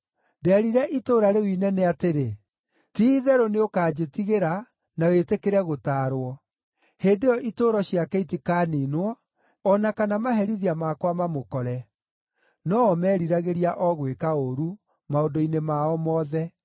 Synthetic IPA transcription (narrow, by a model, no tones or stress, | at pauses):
dɛːɾiɾɛʔitoːɾaɾewinɛnɛateɾe | tiðɛɾoneokaːd͡ʑetiɣeɾa | nawetekeɾɛɣotaːɾwɔ | heːndejɔʔitoːɾɔɕiakɛitikaːninwɔ | ɔnakanamaɦɛɾiðiamakwamamokɔɾɛ | nɔɔmɛɾiɾaɣeɾiaʔɔɣwekaoɾu | maodoinemaɔmɔðɛ